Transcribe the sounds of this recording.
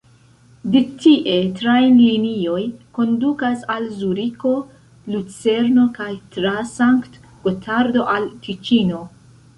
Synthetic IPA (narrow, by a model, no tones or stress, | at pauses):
detiʔe̞tɾajnlinio̞jko̞ndukasalzuɾiko̞ | lut͡se̞ɾno̞kajtɾasaŋkt | ɡ̥otʰaɾdo̞ʔalkit͡ʃino̞